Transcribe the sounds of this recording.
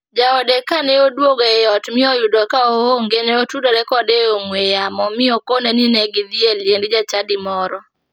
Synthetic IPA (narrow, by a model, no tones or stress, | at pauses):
d͡ʒaɔdekanɛodwoɡoeɔtmɪɔjʊdɔkaooŋɡeɲeotudɔɾɛkɔdeoŋwejamɔmɪɔkoneninɛɡɪd̪ieljendd͡ʒat͡ʃadimɔɾɔ